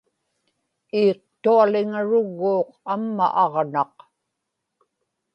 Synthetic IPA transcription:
iːq̚t̪ualɪŋaɻʊɣːuːqamːa̰ʔɑʁnɑq

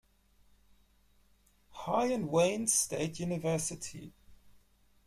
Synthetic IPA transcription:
haɪə̃nwẽɪ̃nz̥steɪtʰjuːnɪvɜˑsɪtʰḭ

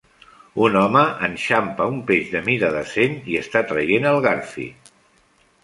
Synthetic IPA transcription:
unɔməʔənʃampəumpeʒðəmiɾəðəseɲiəst̪at̪ɾəjenəlˠɣaɾfḭ

